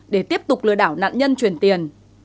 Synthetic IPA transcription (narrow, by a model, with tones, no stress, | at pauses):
ɗe˧˩t̪i˦˥əp̚t̪ʊ˨˩k͡p̚lɨ˧˩əɗaː˧˩wna̰ː˧˨nɲə˧nt͡ɕwi˨˩ənt̪i˨˩ən